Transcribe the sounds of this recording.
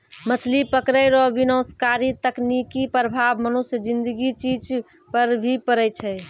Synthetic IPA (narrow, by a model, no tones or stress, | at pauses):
mət͡ʃʰlipəkɾəjɾɔbinəwskaɾit̪əknikipɾəbʱabmənusjəd͡ʒĩnd̪əɡit͡ʃid͡ʒ | pəɾbʱipəɾəjt͡ʃʰɛ